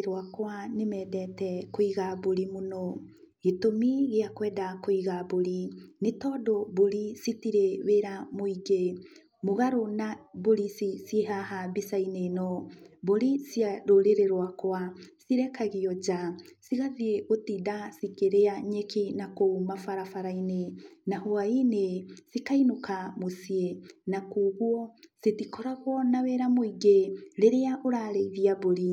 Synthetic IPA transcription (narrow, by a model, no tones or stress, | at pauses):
ɾwakwanemɛːdɛtɛkoiɣaboɾimonɔ | ɣetomiɣeakwɛːdakoiɣaboɾinetɔdoboɾisitiɾeweɾamoiɡe | moɣaɾonaboɾisisjeɦaɦabisainenɔboɾisiaɾoɾeɾeɾwakwasiɾɛkaɣiɔd͡ʒasiɣaðieotidasikeɾeaɲekʰenakoumafaɾafaɾainenahoainesikainokamosienakuɣwɔsetikɔɾaɣwɔnaweɾamoiɡeɾeɾeaʔoɾaɾeiðiaboɾi